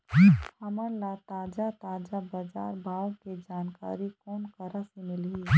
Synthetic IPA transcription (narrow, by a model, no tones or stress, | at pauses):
həməɾlat̪aːd͡ʒat̪aːd͡ʒabəd͡ʒa̰ːɾbʱaːõked͡ʒaːnka̰ːɾikoːnkəɾəsemɪlɦi